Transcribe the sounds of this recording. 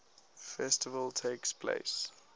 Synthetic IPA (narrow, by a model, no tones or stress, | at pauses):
fɛstɪvəltʰeːkspʰlḛɪs